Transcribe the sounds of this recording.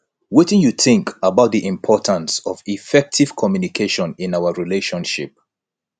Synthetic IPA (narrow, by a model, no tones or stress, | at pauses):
wɪtɪ̃njuθɪ̃ŋkʰəbaʊt̚ðiʔɪ̃mpʰɔtʰə̃nsɔvifɛk̚tʰiv̥kʰɔmjunikʰeʃɔ̃nɪ̃naʊəɹileʃɔ̃nʃḭp̚